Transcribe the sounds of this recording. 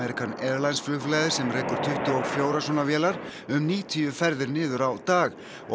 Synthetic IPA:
ɛɾikʰanɛɾlajnsflʏɣflɛːðɪɾ̥sɛmreːjkʏɾ̥t̪ʰʏht̪ʏoɣfjoːwɾasɔnavjɛːlaɾ̥ʏmniːt̪ʰiːʏfɛɾðɪɾnɪːðʏɾawt̪aːɣ | ɔ̰

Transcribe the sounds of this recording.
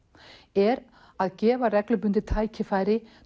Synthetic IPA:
ɛɾ | aðcɛːvarɛklʏp̬ʏnt̪ɪt̪ʰaːjcʰɪfajɾɪ

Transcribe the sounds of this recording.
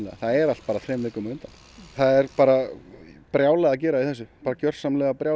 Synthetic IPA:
lɛɣa̰θaðɛɾalt̪̚paːɾaθɾɛːmvɪːkʏmʏnt̪an | θaðɛɾpaːɾapɾjaːwlɛɣacɛːɾaiθɛsːʏpaːɾacœr̥samlɛːɣapɾjaːw

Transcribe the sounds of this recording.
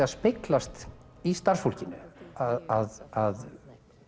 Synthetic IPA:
aðspɪklast̪ | ist̪aɾ̥sfowl̥cɪnːʏ̰aðaðað

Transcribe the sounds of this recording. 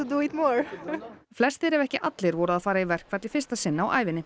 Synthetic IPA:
d̪uit̪mɔɹflɛst̪θɪɾɛvɛhcɪʔat̪lɪɾvɔːɾʏaðfaːɾaivɛr̥kvɛt̪lɪfɪ̥st̪asɪnːaawʔa̰ːjvɪnːɪ

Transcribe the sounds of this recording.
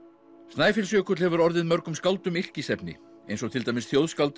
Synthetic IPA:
st̪naːjfɪlsjœːkʏt̪lhɛvʏɾɔɾðɪðmœɾkʏmskawlt̪ʏmɪl̥cɪsɛpnɪ̰ | ejnsɔɣt̪ʰɪlt̪ajmɪsθjowðskalt̪

